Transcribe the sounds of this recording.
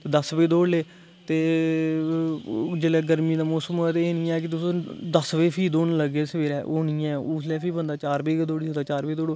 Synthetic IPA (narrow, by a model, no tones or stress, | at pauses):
t̪eːd̪əsbeːd̪oːɽleː | t̪eː | d͡ʒeːlɛːɡəɾmiːd̪aːmoːsəmɛt̪eeːnɪ̃ːɛ̃ːk̬ɪt̪ʊsõːd̪əsʋeːpʰiːd̪oːnləɡeːsʋeːɾɛːʔo̰ːnĩːɛ̃ːuːslɛːpʰiːbənd̪aːt͡ʃaːɾbeːkːd̪oːɽiːd̪aːt͡ʃaːɾbeːd̪oːɽoː